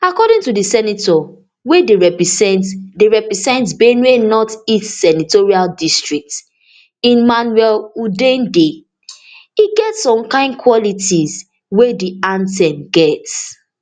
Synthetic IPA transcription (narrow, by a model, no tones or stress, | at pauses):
akɔɾɪ̃ŋtudəsɛnitɔ | wedeɹɛpɹisɛ̃ntdeɹɛpɹizɛ̃ntsbenuenɔtitsɛnitoɹialdistɹik̚t | ĩnmanwɛludẽnde | iɡɛtsɔ̃mkãɪ̃ndkʰwɔlitiz | wediãntɛ̃nɡɛts